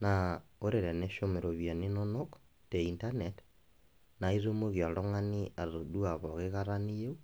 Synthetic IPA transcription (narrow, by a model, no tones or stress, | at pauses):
naoɾeɾɛneʃomeɾoβjaninonok | teintanet | naiðomoɣjaɾoŋaniaðoduaβɔɣeɣaɾanijeu